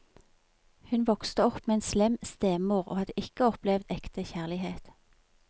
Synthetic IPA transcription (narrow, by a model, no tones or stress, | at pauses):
hʉnʋɔkst̪əɔpmeːeːnslɛmst̪eːmuːʁo̰ːhɑd̪əʔɪkəɔplɛʋd̪ɛkt̪əçæʁlɪheːt̪